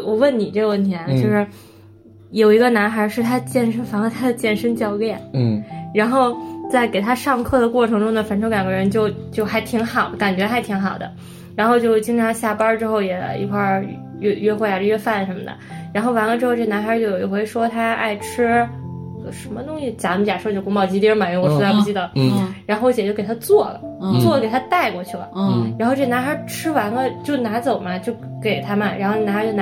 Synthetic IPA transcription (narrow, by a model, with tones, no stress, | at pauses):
wɔ˨˩wə˥˩nni˨˩ʈ͡ʂɤ˥˧wə˥˩nt̪ʰjɛ˧˥na˧˩t͡ɕjo˥˧ʊʂɻ̩˥˩ | jo˨˩ʊi˧˥ɡə˧na˧˥nxa˞˧˥ʂɻ̩˥˩t̪ʰa˥t͡ɕjɛ˥˩nʂə˥nfa˧˩ŋə˧t̪ʰa˥d̪ə˨t͡ɕjɛ˥˩nʂə˥nt͡ɕjɑ˥˧ʊljɛ˥˩nɻa˧˥nxo˥˧ʊt͡sa˥˩ɪke˨˩ɪt̪ʰa˥ʂɑ˥˧ŋkʰɤ˥˩d̪ə˩kwɔ˥˩ʈ͡ʂʰɤ˧˥ŋʈ͡ʂʊ˥ŋd̪ə˨˩fa˥nʈ͡ʂʰo˧˥ja˨˩ŋɡə˧ɻə˧˥nt͡ɕjo˥˧ʊt͡ɕjo˥˩ʊxa˧˥ɪt̪ʰi˧˥ŋxɑ˨˩˦ʊka˨˩nt͡ɕɥɛ˧˥xa˧˥ɪt̪ʰi˧˥ŋxɑ˨˩ʊd̪ə̰˦ | ɻa˧˥nxo˥˧ʊt͡ɕjo˥˧ʊ˥˩t͡ɕi˥ŋʈ͡ʂʰɑ˧˥ŋɕja˥˩pɐ˥ʈ͡ʂɻ̩˥xo˥˩ʊjɛ˨˩lə̰˩ḭ˧˥˩kʰwa˥˧˩ | ɛ˥˧ɥɛ˥xwja˨˩ʈ͡ʂɥɛ˥fa˥˩nʂə˧˥nmə̰˧˩d̪ə̰˩ɻa˧˥nxo˥˩ʊwa˧˥nlə˧ʈ͡ʂɻ̩˥xo˥˧ʊʈ͡ʂɤ˥˩ə˧na˧˥xa˧˥t͡ɕjo˥˩ʊji˧˩xwe˥˩ɪʂwɔ˥t̪ʰa˥a̰˥˩ɪʈ͡ʂ̩ʰ˥ | ə˩ʂə˧˥nmə˧t̪ʊ˥ŋɕi˧˩t͡ɕja˧˥˧t͡ɕja˨˩ʂo˥˧t͡ɕjo˥˩ʊkʊ˥mɑ˥˧ʊt͡ɕi˥t̪i˥ma˨˩nɛ˧˥wɔ˨˩swa˥˧pu˥˧t͡ɕi˥˩d̪ə˩ɻa˧˥nxo˥˧ʊ˥ɕjɛ˨˩t͡ɕo˥˩ke˨˩a˥t͡swɔ˥˩lə̰˩t͡swɔ˥˩lə˩ke˨˩ɪa˥t̪a˥˩ɪkwɔ˥˧t͡ɕʰy˥˩lə̰˩ɻa˧˥nxo˧ʈ͡ʂɤ˥˩˧na˧˥xə˧˥ʈ͡ʂ̩ʰ˥wa˧˥nɡə˧t͡ɕjo˥˩ʊna˧˥t͡so˨˩ʊmɐ˦t͡ɕjo˥˩ʊke˨˩ɪt̪ʰa˥mə˨nɻa˧˥nxn˧na˧˥˧t͡ɕo˥˩n˥